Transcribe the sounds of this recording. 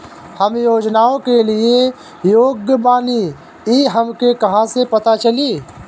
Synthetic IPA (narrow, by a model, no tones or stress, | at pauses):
hɐmjoːd͡ʒnaːõkelie | joːɡjəbaːni | iːɦɐmkekɐɦãsepɐt̪at͡ʃɐliː